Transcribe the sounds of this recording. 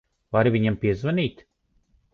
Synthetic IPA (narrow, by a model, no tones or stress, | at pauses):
vaɾviɲampʲiɛzvanʲiːt̪